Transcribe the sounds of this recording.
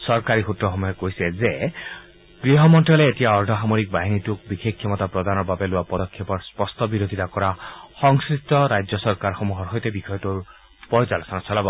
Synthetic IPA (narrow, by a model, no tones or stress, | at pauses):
sɔɹkaɾixutːɔxɔmɔjɔkojsɛze | ɡ̥ɹiɦɔmɔntɔleːtijaɔɹdʱɔɦamoɾik̚baɦinituk̚bixʰekʰːɔmɔt̪apɹɔd̪anɔɹbabelʊwapɔdɔkʰːepɔɹspɔstʰɔbiɾod̪ʱit̪akɔɹaxɔŋskɹistɔɾajd͡ʒɔsɔɹkaɹxɔmuɦɔɹɦɔjt̪ebikʰɔjɔtoɹ | pɔjt͡ʃalɔsanasʰɔlabɔ